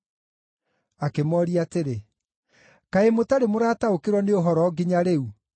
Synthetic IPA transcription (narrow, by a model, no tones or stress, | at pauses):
akemɔːɾiateɾe | kaemotaɾemoɾaːtaokeɾwɔneoɦɔɾɔɡiɲaɾeu